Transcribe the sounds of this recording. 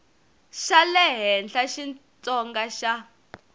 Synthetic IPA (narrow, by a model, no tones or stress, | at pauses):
ʃalɛɦɛnɬaʃin | t͡sʼɔŋɡaʃa